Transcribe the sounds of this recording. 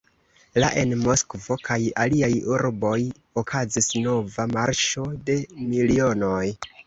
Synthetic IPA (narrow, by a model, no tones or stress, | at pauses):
laʔe̞nmo̞skvo̞kʰajaliajuɾbo̞j | okʰazisno̞vamaɾʃo̞de̞milio̞no̞j